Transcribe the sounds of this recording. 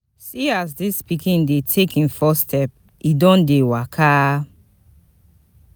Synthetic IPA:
siazdispikĩndetʰekĩnfɔstʰɛp̚ | idɔ̃ndewakʰa

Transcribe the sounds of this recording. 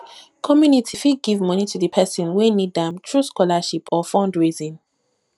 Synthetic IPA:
kʰɔmjunitʰifiɡivmɔnitʰuðəpʰɛsɔ̃nwinidðɛ̃mtʰɹuskɔlaʃipʰɔfɔ̃ndɹizĩn

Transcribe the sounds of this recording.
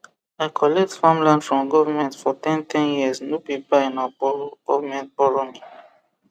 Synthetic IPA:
aɪkʰɔlɛk̚tfãmlãndfɹɔ̃mɡɔvamɛ̃ntfɔtɛ̃ntʰɛ̃njiəsnjupipaĩnabɔɡ̥ɔvamɛ̃nt̚bɔɹoni

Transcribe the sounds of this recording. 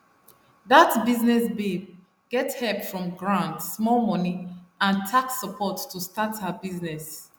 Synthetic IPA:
ðatbiznɛsbeb̚ | ɡ̥ɛtshɛpfɹɔ̃mɡɹãntsmɔlmɔniãntʰaksəpʰɔtːustathəbiznɛs

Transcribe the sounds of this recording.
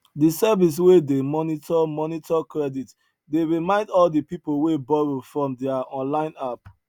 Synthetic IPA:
disɛvis̬wedemɔnitʰɔmɔnitʰɔkɹɛdit | deɹimãɪ̃ndɔldipipolwebɔɹofɹɔ̃mdɛaɔ̃nlãɪ̃nap̚

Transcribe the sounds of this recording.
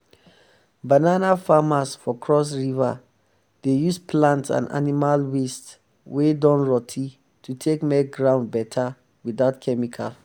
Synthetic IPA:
bananafamasfɔkʰɹɔs̬ɹiva̰ | d̥ejuspʰlãntã̰na̰nimalwist | wedɔ̃nɹɔtʰi | tʰutʰekmɛk̚ɡɹãʊ̃ndbɛtʰa | wiðaʊtkʰɛmikʰal

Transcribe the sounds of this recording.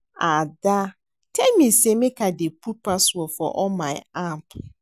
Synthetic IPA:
ada | tʰɛmĩsemɪ̃kʰadepʰupasɔfɔʔɔmãɪampʰ

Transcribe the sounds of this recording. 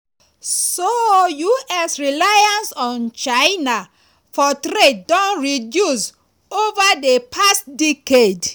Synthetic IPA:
sojuɛsɹilajãnsɔ̃nt͡ʃaɪna | fɔtɾed̚dɔ̃nɹidjus | ovadepʰastdiked

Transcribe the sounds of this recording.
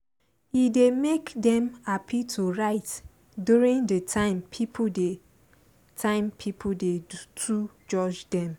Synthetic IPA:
idemekdɛ̃mapʰitʰuɹaɪt | duɹĩŋdətʰãɪ̃mpʰipʰude | tʰãɪ̃mpʰipʰudetʰu | d͡ʒɔd͡ʒdɛ̃m

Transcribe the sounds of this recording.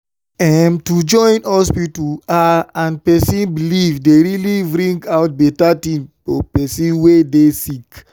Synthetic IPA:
ɛmtud͡ʒɔ̃ɪ̃nɔspituaãnpɛsĩnbilivdeɹilibɾĩŋɡaʊt̚bɛtatĩmfɔpɛsĩnwedesik

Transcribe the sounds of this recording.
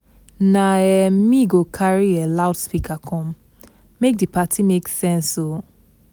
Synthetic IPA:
naɛmiɡokʰaɹielaʊdspikʰakʰɔ̃mː | ek̚dipatʰimeksɛ̃nso

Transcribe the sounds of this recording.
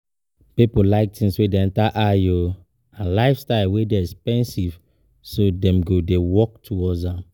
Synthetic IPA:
pipolaɪk̚tĩŋswedeɛ̃ntaʔajo | ãnlaɪfstaɪlwedeɛkspɛ̃nsiv | sodɛ̃mɡodewɔk̚tʰuwɔzãm

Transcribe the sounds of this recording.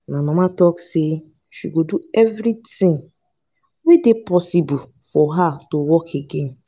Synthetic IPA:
namãmatɔkse | ʃiɡoduɛvɾitĩŋ | widepɔsibu | fɔɦatowɔkʰeɡen

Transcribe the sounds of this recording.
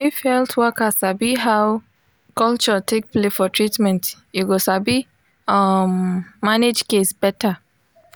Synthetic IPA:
ifhɛltʰwɔkasabiɦaw | kɔlt͡ʃɔtʰek̚plefɔtʰɹitmɛ̃ntjuɡosabi | ʌmːaned͡ʒkesb̥ɛta

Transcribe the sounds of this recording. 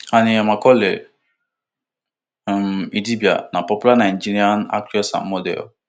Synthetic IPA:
anĩɛmãkɔle | midibja̰nãpɔpulanãĩnd͡ʒiɾiana̰kɾiɔsã̰mɔdɛ̰ɔ̰

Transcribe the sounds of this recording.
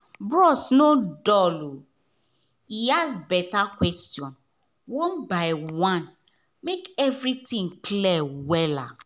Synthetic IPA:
bɹɔsnodɔlo | iasbɛtakwɛstjɔ̃n | wõnbaɪwãn | mekɛvɾitĩŋklɛwɛla

